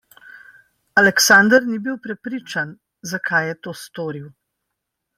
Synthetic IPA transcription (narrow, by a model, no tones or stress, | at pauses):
alɛksaːnd̪əɾnibiwpɾɛpɾiːt͡ʃan | zakʰajɛt̪oːst̪oːɾiw